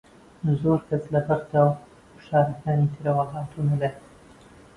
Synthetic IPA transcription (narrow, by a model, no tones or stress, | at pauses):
zoːɾkɐslɐbɐɾt̪aw | ʃaːɾɐkaːnit̪ʰɨɾɐwaɦaːt̪ʰunɐle